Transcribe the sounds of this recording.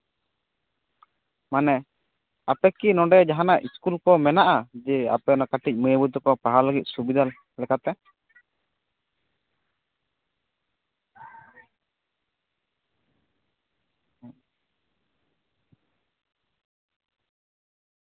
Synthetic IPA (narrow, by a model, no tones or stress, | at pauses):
manɛ | apɛkinɔ̃ɖɛd͡ʒaɦanaʔiskulkɔmɛnaʔad͡ʒɛa̰pɛnakaʈic̚məjəbut̪ɔkɔpaɦaləɡit̪̚ˀsubid̪ʱal | lɛkat̪ɛ